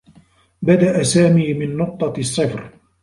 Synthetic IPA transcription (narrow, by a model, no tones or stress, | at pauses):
bad̪aʔasaːmiːmɪnːʊq̚t̪ˤɑsˤːɨfɾ